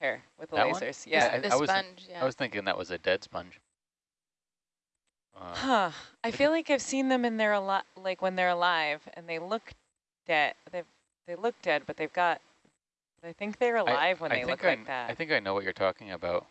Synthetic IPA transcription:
ɛɹwɨðəeɪwʌ̃ə˞z̥jæaɪaɪwʌzʌ̃nd͡ʒaɪwʌz̥θɪ̃ŋkɪ̃ŋðə̰ʔwʌzɨdɛd̥spʌ̰̃nʒ̥ | ʌ̰hʌaɪfilaɪkaɪv̥sĩnðɨ̃mɨ̃nðə˞əlɑt̚laɪkwə̃nðə˞əlaɪvɨ̰̃nðeɪlʊk | d̥ɛd̥̚ðeɪv | ðeɪlʊk̚d̥ɛd̚bʌt̪̚ðeɪvɡɑt̚ | b̥ʌɾaɪθɪ̃ŋk̚ðeɪə˞əlaɪvwə̃nɪðeɪlɪʊklaɪk̚ðæ̰t̚aɪθɪ̃ŋkaɪnoʊwʌt͡ʃə̰˞tʰɔkɪ̃ŋɨbaʊt̚

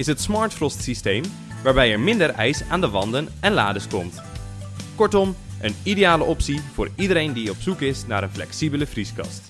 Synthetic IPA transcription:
ɪsɦətsmɑːɹtfrɔstsistejm | ʋaːɹbɛjɛɹmɪndəɹɛjsaːndəʋɑndənɛnla̰ːdəskɔmt | kɔɹtɔmʔənidejaːləʔɔpsivʊːɹidəɾejndiɔpsukɪsnaːɾənflɛ̰ksibələvriskɑ̰st

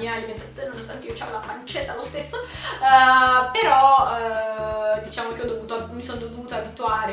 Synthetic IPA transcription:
iːaliment̪at̪sjoːnenonost̪ant̪eiːot͡ʃa̰volapant͡ʃɛt̪ːalost̪esːo | peɾɔ | d̪it͡ʃaːmokeɔd̪ovuːt̪oamisond̪ovovuːt̪oaːbit̪uaːɾe

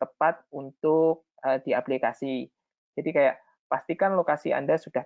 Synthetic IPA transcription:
t̪əpat̪̚unt̪ʊk̚ | ədiaplikasi | d͡ʒadikajaʔ | past̪ikanlokasia̰ndasud̥ah

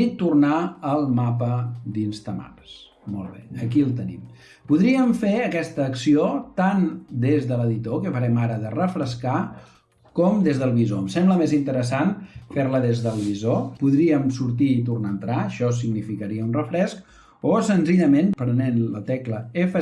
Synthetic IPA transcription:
it̪urnaəlˠmapəd̪inzt̪əma̰ps | mo̰lˠβḛəkilˠt̪ənḭm | puðɾiəɱfeəkɛst̪əːksiot̪and̪ezðələðit̪okəpəɾɛmaɾəðərəfɾəska | kɔmd̪ezðəlˠβizoəmsɛmbləmezint̪əɾəsanfeɾləðezðəlˠβizopuðɾiəmsuɾt̪iːt̪urnaənt̪ɾaəʃɔsiɡnifikəɾiəunrəfɾɛsk | osənziʎəmenpɾənenlət̪ɛkləefə

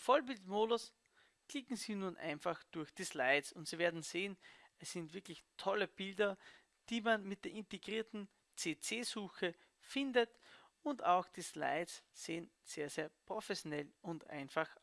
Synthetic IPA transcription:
fɔlbɪltmoːdʊs | kl̥ɪkŋ̩ziːnuːnʔa̰ɪnfaxd̥ʊɐçd̥iːslaɪt͡sʊntsiːveːɐdn̩z̥eːənɛsːɪntv̥ɪɐklɪçtʰɔləb̥ɪldɐ | d̥iːmanmɪt̚d̥eːɐʔɪnteɡʁiːɐtn̩ | t͡seːt͡seːzuːxə | fɪndətʊntaʊxd̥iːsla̰ɪsz̥eːənz̥eːɐz̥eːɐpʁ̥ofɛsjonɛlʊntʔa̰ɪnfax

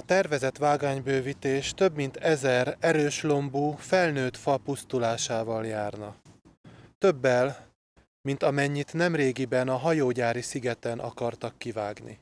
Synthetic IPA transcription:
ɒt̪ɛrvɛzɛt̪ʋaːɡaːɲbøːvit̪eːʃt̪ø̞bmint̪ɛzɛrɛɾøːʃlo̞mbuːfɛlnøːt̪fɒpust̪ulaːʃaːvɒljaːrnɒ | t̪ø̞bːɛl | mint̪ɒmɛɲːit̪nɛmreːɡibɛnɒɦɒjoːɟaːɾisiɡɛt̪ɛnʔɒ̰kɒrt̪ɒkːivaːɡnḭ

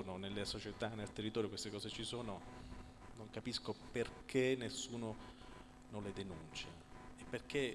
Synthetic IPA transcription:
nonelːesot͡ʃet̪anːelt̪erːit̪ɔːɾjokwest̪ekɔːset͡ʃisoːno | noŋkapiskoperkʰenːesːuːno | nonled̪enunt͡ʃa | epːerk̟e

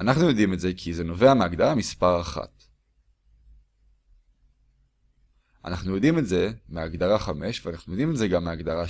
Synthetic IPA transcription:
anaχnujo̞dimetze̞kʰizeno̞ve̞ameaɡdaʁamispaʁaχa̰t | a̰naχnujo̞dime̞tze̞meaɡdaʁaχame̞ʃveanaχnujod̪ime̞tzeɡamːeaɡdaʁa

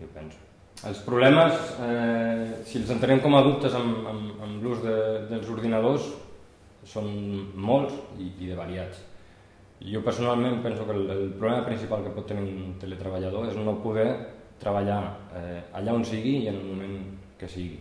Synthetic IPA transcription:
opɛnsu̥ | ə̰lˠspɾuβlɛməsɛ | siəlˠzənt̪ənɛmkɔmaðupt̪əzəmə̰məmluzðəðəlˠzuɾð̞inaðos | sːonmolˠziiðəβaɾiat͡s | iopəɾsunalˠmẽmpɛnsukələlpɾuβlɛməpɾinsipalˠkəpɔt̪ːəniunt̪əlet̪ɾəβaʎað̞oeznopuð̞ɛ | t̪ɾʔəβaʎaɛa̰ʎaonsiɣiənəlˠmumeŋkəsiɣi

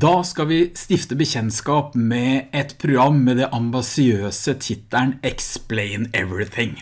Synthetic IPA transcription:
d̪ɑːskɑʋɪst̪ɪft̪əbəçɛnskɑːpmɛɛt̪pʰɾʊɡɾɑmːɛd̪ɛʔɑmbɑsɪøːsət̪ʰɪt̪ːæɳɛkspleɪnɛʋɾɪθɪŋ

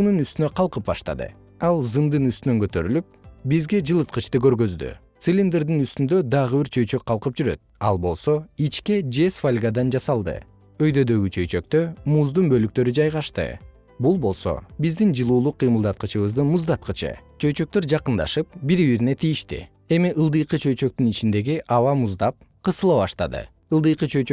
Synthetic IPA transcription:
nunyst̪ynøqʰɑlˠqɯp̚bɑ̰ʃt̪ɑ̰d̪ɯ̰ | ɑlˠzɯnd̪ɯnyst̪ynø̞ŋkø̞t̪ø̞ɾy̰lyp̚bizɡe̞d͡ʒɯlˠɯt̪̚qɯt͡ʃt̪ɯkø̞ɾɡø̞zd̪y̰t̪sɨlʲind̪eɾd̪inyst̪ynd̪ø̞d̪ɑʁɯβiɾt͡ʃʰø̞jt͡ʃø̞k̚qʰɑlˠqɯp̚d͡ʒyɾø̞̰t̪̚ɑ̰lˠbo̞̰lˠso̞it͡ʃke̞d͡ʒesfalʲɡad̪ɑnd͡ʒɑsɑlˠd̪ɯ̰ | øjd̪ø̞d̪ø̞ɡyt͡ʃʰø̞jt͡ʃø̞k̚t̪ø̞muzd̪unbø̞lyk̚t̪ø̞ɾyd͡ʒɑjʁɑʃt̪ɯ̰ | bulˠbo̞lˠso̞̰bizd̪ind͡ʒɯlˠuːlˠuqʰːɯjmɯlˠd̪ɑt̪̚qɯt͡ʃɯβɯzd̪ɯmuzd̪ɑt̪̚qɯt͡ʃɯ̰t͡ʃʰø̞jt͡ʃø̞k̚t̪ø̞ɾd͡ʒɑqɯnd̪ɑ̰ʃɯp̚biɾβiɾine̞t̪ʰijiʃt̪ḭ | e̞miʔɯlˠd̪ɯjqɯt͡ʃʰø̞jt͡ʃø̞k̚t̪ynit͡ʃind̪e̞ɡiʔɑvɑmuzd̪ɑp̚ | qʰɯsɯlˠɑβɑʃt̪ɑd̪ɯ̰ | ɯlˠd̪ɯjqɯt͡ʃʰø̞jt͡ʃ

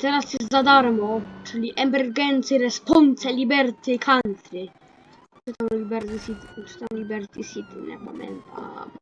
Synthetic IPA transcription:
t̪ɛɾasjɛst̪zad̪aɾmɔt͡ʂɘlʲiʔɛmɛɾɡɛnt̪sɛɾɛspɔnt̪sɛlʲibɛɾt̪ɪkʰant̪ɾɪ | t͡ʂɨt̪amlʲibɛɾt̪isit̪ʈ͡ʂɪ̥t̪amlʲibɛɾt̪isʲit̪inɛ̰pamɛ̰nt̪a̰m

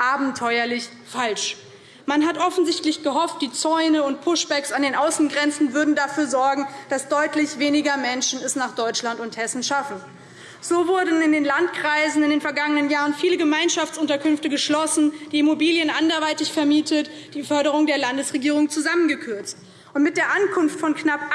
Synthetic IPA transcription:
ʔaːbm̩tʰɔʏɐlɪç | falʃ | manɦatʔɔfn̩zɪçtlɪçɡ̥əɦɔft̚d̥iːt͡sɔʏnəʊntpʰʊʃb̥ɛksandeːnʔaʊsn̩ɡʁɛnt͡sn̩vʏɐdn̩dafyːɐzɔɐɡŋ̩d̥asd̥ɔʏtlɪçv̥eːnɪɡɐmɛnʃn̩ɛsnaːχd̥ɔʏt͡ʃlantʊnthɛsn̩ʃafn̩ | z̥oːvʊɐdn̩ɪndeːnlantkʁ̥aɪzn̩ɪndeːnfɛɐɡaŋənənjaːʁənfiːləɡəmaɪnʃaft͡sʔʊntɐkʰʏnftəɡəʃlɔsn̩d̥iːɪmobiːljənʔandɐvaɪtɪçfɛɐmiːtʰət | d̥iːfœɐɾəʁ̞ʊŋdeːɐlandəsʁ̥eɡiːʁ̞ʊŋt͡suzamənɡəkʰʏɐt͡st | ʔʊntmɪt̚d̥eːɐʔankʰʊnftfɔnknap

